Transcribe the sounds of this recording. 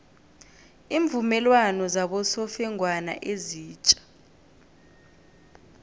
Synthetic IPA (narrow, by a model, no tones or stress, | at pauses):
iːɱvumɛlwanɔzaɓɔsɔfɛŋwana̰ʔeziːt͡ʃʼḁ